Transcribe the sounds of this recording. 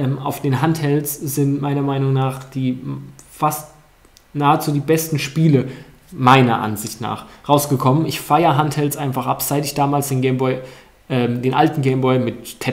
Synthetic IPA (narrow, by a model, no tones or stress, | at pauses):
ʔɛːma̰ʊfd̥eːnɦanthɛlsz̥ɪntmaɪnɐmaɪnʊŋnaːχd̥iːfast | naːət͡suːdiːbɛstn̩ʃpiːlə | maɪnɐ̰ʔa̰nzɪçtna̰ːχʁaʊsɡ̥əkʰɔmənɪçfaɪɐɦanthɛlt͡sʔaɪnfaχʔa̰pz̥aɪtɪçd̥aːmaːlsd̥eːnɡɛɪmbɔʏ | ʔɛːmd̥eːnʔa̰ltn̩ɡɛɪmbɔʏmɪttʰɛ